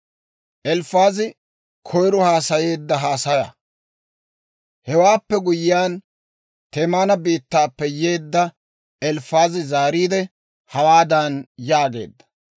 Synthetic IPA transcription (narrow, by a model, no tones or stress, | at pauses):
ʔɛlfaːzɪ | kʰɔjɾɔhaːsɐje̞ːd̪ːɐɦaːsɐjɐ̰ | hɛwaːpːɛɡʊjɪjaːn | t̪eːmaːnɐbiːt̪ːaːpːɛjeːd̪ːɐ | ɛlfaːzɪzaːɾiːd̪ɛ | hɐwaːd̪ɐnjaːɡe̞̰ːd̪ːɐ̥